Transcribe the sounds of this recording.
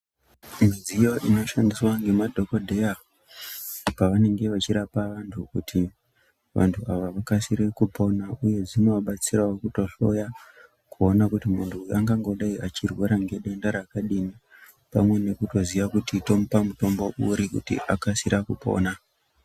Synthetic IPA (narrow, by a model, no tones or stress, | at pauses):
mizijo̞ʔino̞ʃandiswaŋɡe̞madʱo̞ko̞dʱeja | paʋane̞ŋɡe̞ʋat͡ʃiɾapaʋantʰukuti | ʋa̰ntʰuaʋaʋakasiɾekupo̞nauje̞d͡zinoaɓat͡siraokuto̞ɬo̞ja | kuonakutimuntʰuaŋɡaŋɡo̞ɗaiʔat͡ʃirweɾaŋɡe̞ɗe̞ndaɾakaɗini | pa̰mwe̞ne̞kuto̞ziʋakutito̞mupamuto̞mbo̞ʔṵɾikṵtḭʔa̰kasiɾʔakupo̞̰ːna